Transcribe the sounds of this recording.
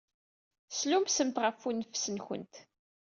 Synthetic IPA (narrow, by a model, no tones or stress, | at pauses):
slumsəmt̪ʁəfunəfsənçə̰nt̪